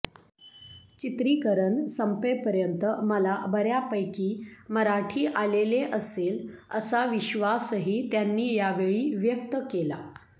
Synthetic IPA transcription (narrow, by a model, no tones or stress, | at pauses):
t͡ɕit̪ɾiːkəɾəɳsəmpepəɾjənt̪əməlabəɾjapəjkiːməɾaʈʰiːʔaleleʔəseləsaʋiɕʋasɦiːt̪janːiːjaʋeɭiːʋjəkt̪əkela̰